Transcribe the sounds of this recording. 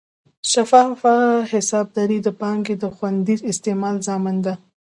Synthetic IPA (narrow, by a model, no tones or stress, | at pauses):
ʃafɑfahɪsɑb̚d̪aɾid̪əpɑŋɡed̪əxwand̪izɪst̪emɑlzɑmɪnd̪a